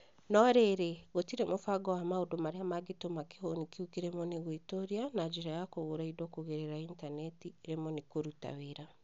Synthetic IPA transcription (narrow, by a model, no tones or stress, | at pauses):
nɔɾeɾeɣotiɾemofaɡɔwamaodomaɾeamaɡetomake̥honikiukiɾɛmɔniɣoitoɾianad͡ʒiɾajakoɣoɾaidɔkoɣeɾeɾaintanɛtiɾemɔnikoɾuta̰weɾa